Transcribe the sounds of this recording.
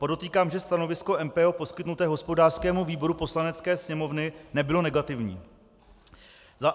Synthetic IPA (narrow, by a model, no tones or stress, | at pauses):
podo̞t̪iːkaːmʒɛst̪ano̞vɪsko̞ʔɛmpɛoːpo̞skɪt̪nut̪ɛːɦo̞spo̞daːr̥skɛːmuviːbo̞ɾupo̞slanɛt͡skɛːsɲɛmo̞vnɪnɛbɪlo̞nɛɡat̪ɪvɲḭː | za